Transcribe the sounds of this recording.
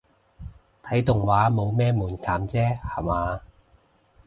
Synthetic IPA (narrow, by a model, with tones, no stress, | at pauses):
t̪ʰɐ˨˥jt̪ʊ˨ŋwaː˨˥mo˨˧wmɛː˥muː˨˩nkʰaː˨˥mt͡sɛː˥ha˨˩maː˨˧